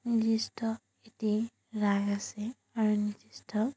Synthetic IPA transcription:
nid͡ʒisʈʰʌ | et̪i | raɡasẽ | ʌɾunid͡ʒisʈʰʌ

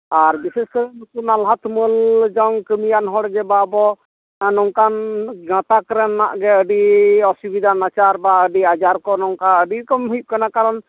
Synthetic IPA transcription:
aɾbisɛskəɾɛnukunalɦat̪məld͡ʒɔŋkəmijanɦɔɽd͡ʒɛbabɔ | nɔŋkanɡãt̪akəɾɛnːa̰ʔɡɛəɖiɔsubid̪ʱanat͡ʃaɾbaəɖiad͡ʒaɾkɔnɔŋkaəɖikɔmɦujip̚kanakaɾɔn

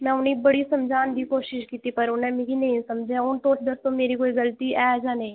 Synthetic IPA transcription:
mɛ̃ːʊnibɐɽisɐmd͡ʒʱaːnd̪ʱikoːʃɪʃkiːt̪ipɐɾʊnɛ̃mɪɡinɐɦĩsɐmd͡ʒʱãʊnt̪oːʈʰd̪əɾt̪õmeːɾikoːiɡəlt̪iɛːd͡ʒaːnɐĩ

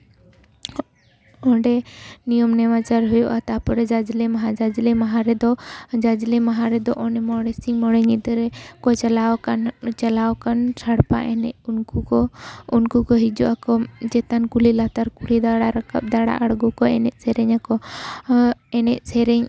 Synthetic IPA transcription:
ɔɖɛnijɔmnɛmat͡ʃaɾɦujɔʔat̪apɔɾɛd͡ʒad͡ʒlɛmaɦad͡ʒad͡ʒlɛmaɦaɾɛd̪ɔd͡ʒad͡ʒlɛmaɦaɾɛd̪ɔʔɔnɛmɔɽɛsiŋmɔɽɛŋit̪ɾɛkɔt͡ʃalawkant͡ʃalawkant͡ʃʰaɽpa̰ʔɛnɛʔunkukɔunkukɔɦid͡ʒuʔakɔd͡ʒɛt̪ankulilat̪aɾkulid̪aɽaɾakap̚d̪aɽa̰ʔaɽɡɔkɔɛnɛʔ̪̚sɛɾɛɲakɔ | ɛnɛʔ̚sɛɾɛɲ

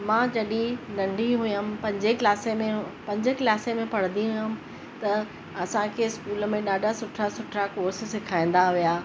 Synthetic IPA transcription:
mãːd͡ʑɐɗĩnɐ̃ɳɖʱiɦʊjəm̆pɐ̃ɲd͡ʑeklaːsemẽpɐ̃ɲd͡ʑəkɪlaːsemẽpɐɽ̤nd̪iɦʊjəm | t̪ɐ | ɐsãkʰeːɪskuːlə̆mẽɗaːɖʱasʊʈʰasʊʈʰakoːɾssɪkʰaːĩn̆d̪aɦijaː

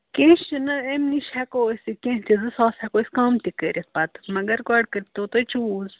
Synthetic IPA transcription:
kẽːʃt͡ʃinɐemniʃɛkoːsikẽt͡ʃizɨsaːsɛkoːsʲkaːmt̪ikəɾʲʔet̪̚ʰpat̪ɨ̥mɐɡɐɾkɔːɖ̚kɐɾit̪oːt̪ot͡ʃuz

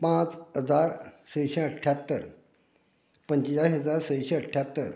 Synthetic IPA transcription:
pãt͡sɦəd͡zaɾsəjɕeəʈʰːjat̪ːəɾ | pənt͡ɕid͡ʑasɦəd͡zaɾsəjɕeəʈʰːjat̪ːəɾ

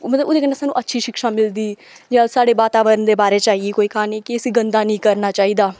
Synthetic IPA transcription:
mət̪ləboːd̪ekəneːsaːnːũːʔətːʃʰiːʃɪkʃaːmɪld̪iː | d͡ʒeaːlsaːɽeːbaːt̪aːʋəɾənd̪eːbaːɾeːt͡ʃaːieːkoːiːkaːneːkɪəsĩːɡənd̪aːnĩːkəɾnaːt͡ʃaːiːd̪aː

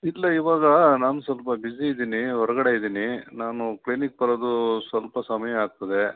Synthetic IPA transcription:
ilːɐiʋaːɡɐnaːnusʋɐlpɐbiziːd̪iːniɦɔɾɐɡɐɽe̞id̪iːninaːnuklinik̚pɐɾoːd̪usʋɐlpɐsɐmɐjɐaːɡ̚t̪ɐd̪e̞

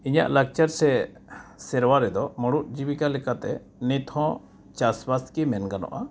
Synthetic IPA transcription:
iɲa̰ʔlak̚t͡ʃaɾsɛ | sɛɾwaɾɛd̪ɔmɔɽuʔ̚d͡ʒibikalɛkat̪ɛ | nit̪ʰɔ̃ | t͡ʃaswaskimɛnɡanɔ̰ʔa

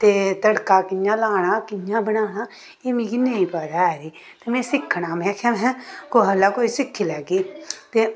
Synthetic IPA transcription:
t̪eːt̪əɽkaːkɪjãːlaːɽ̃aːkɪjãːbəɽaːñaː | eːmẽːɡiːnẽĩpaɾaɛːɾiː | t̪eːmɛ̃ːsɪkʰːɽaːmɛ̃ːkʰɛ̃mɦɛ̃ːkoɦəlːaːkoːisɪkʰːilɛːɡiːt̪eː

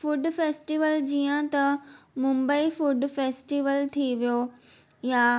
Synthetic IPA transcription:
fʊɖfeːsʈiʋəld͡ʑiːə̃t̪ɐmʊ̃mbəifʊɖfeːsʈiʋəlt̪ʰiʋijo | jaː

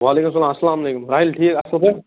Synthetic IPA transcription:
ʋaːleːkums̬ɐlaːmɐsːɐlaːmɐleːkumɾaːɦilʈʰiːɐsɐlp̪e

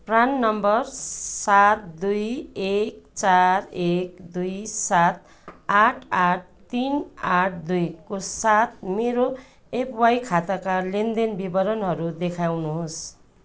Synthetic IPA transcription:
pranːʌmbʌrsat̪̚d̪ujek̚t͡sarekd̪ujsat̪ | aʈʰaʈ̚ʰt̪inaʈʰd̪ujkosat̪̚meɾo | epʰwajkʰat̪akalend̪enbibʌɾʌnɦʌɾud̪ekʰawnuɦos

